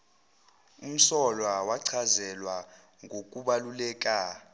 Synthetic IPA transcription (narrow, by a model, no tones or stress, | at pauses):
um̩sɔlwawaǀʰazɛlwa | ŋɡʱok̬ʼuɓalulɛːk̬ʼa